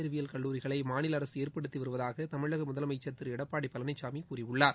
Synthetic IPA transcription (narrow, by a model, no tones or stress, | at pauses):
ɐɾʋɪjɐlkɐɭːuːɾɪɣɐɭɐɪmaːnɪlɐɾɐsɯeːɾpɐɽɯt̪ːiʋɐɾɯʋɐðaːɣɐt̪ɐmɪɻɭɐɣɐmʊðɐlɐmɐɪt͡ʃːɐɾt̪ːɪɾɪɽɐpːaːɽipːɐlɐnɐɪt͡ʃːaːmikuːrɪʋɯɭːaːɾ